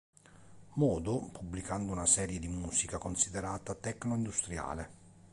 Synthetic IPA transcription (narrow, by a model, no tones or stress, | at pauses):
mɔːd̪ʊpubːlikand̪ʊunasɛːɾjed̪imuːsikakonsid̪ɛɾaːt̪at̪ɛknoind̪ust̪ɾja̰ːle